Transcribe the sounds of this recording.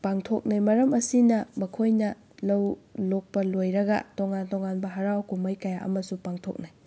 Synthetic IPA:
paŋtʰok̚najmɐɾɐmɐsinɐmɐkʰojnɐ | lɐwlok̚pɐlojɾɐɡɐ̰toŋantoŋanbɐɦɐɾawkumɐjkɐjaʔɐ̰mɐsupaŋtʰo̰k̚naj

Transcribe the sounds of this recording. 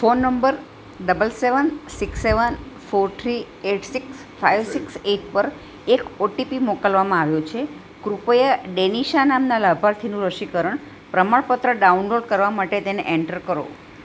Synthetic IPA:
fonːəmbəɾ | ɖəbəlseʋənsiksːeʋən | foɾt̪ʰɾi | eʈʰsiks | fajʋsikseʈ̚ʰpəɾ | ekoʈipimɔkəlʋamãaʋjot͡ʃʰe | kɾupəjaɖeniʃanamnalabʱaɾt̪ʰinũɾəʃikəɾəɳ | pɾəmaɭpət̪ɾəɖaunloɾɖ̚kəɾʋamaʈet̪enḛʔeɳʈəɾkəɾo̰

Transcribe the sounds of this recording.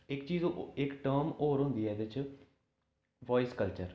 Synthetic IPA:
ɪkt͡ʃiːzɪkʈəːmoːɾɦʊ̃nd̪iːɛːd̪ɪt͡ʃ | ʋɔːɪskəlt͡ʃəɾ

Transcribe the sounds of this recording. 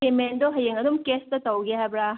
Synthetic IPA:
emend̪ɔɦɐjeŋɐd̪umkestɐtɐwɡeɦabɾa

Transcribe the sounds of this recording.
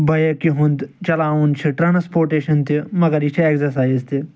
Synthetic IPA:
bʱɐjekiɦund̪t͡ʃɐlaːunt͡ʃʰiʈɾanspoːɾʈeːʃɐnt̪imɐɡɐɾit͡ʃʰieksɐɾsaːjzt̪i

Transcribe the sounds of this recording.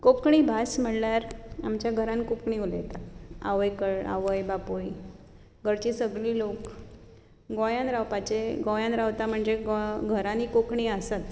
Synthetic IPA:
kokɳiːbʱasm̤əɽljaɾamt͡ɕjaɡʱəɾãnkokɳiulet̪aa̰ʋəjkəɭa̰ʋəjbapoj | ɡʱəɾt͡ɕiːsəɡɭiːlok | ɡojãnɾawpat͡ɕeɡõjãnɾawt̪am̤əɳd͡zeɡɡʱəɾanikokɳiːəsat̪

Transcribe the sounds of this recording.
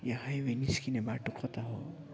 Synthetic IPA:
jaɦajweniskinebaʈokʰɔt̪aɦo̰

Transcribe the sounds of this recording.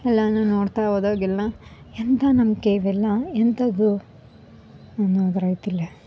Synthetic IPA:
ɛlːɐnunoːɽt̪aʋoːd̪oːɡilːɐ | ent̪ɐnɐmkeʋɛlːɐent̪ɐɡ̪u | noːd̪ɾɐjt̪ilːe

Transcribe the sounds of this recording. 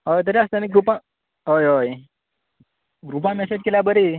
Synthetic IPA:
ɦojt̪̬əɾiəst̪əniɡɾupã | ɦojɦoj | ɡɾup̬ãmɛsed͡ʑkelabəɾi

